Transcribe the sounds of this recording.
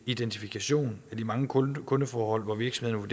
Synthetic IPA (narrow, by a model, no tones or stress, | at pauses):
id̥ent͡sʰifikʰæɕo̝̰ːnæd̥imɑ̈ŋəkʰɔ̽nəfɒːhɒ̽l̰ʋɒʋiɐɡ̥sɒmhe̝ðˠnʋuɐd̥e